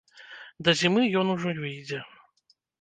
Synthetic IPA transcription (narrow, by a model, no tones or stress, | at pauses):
d̪ɐzʲimɨjɔnuʐɔnʲvɨjd͡zʲɛ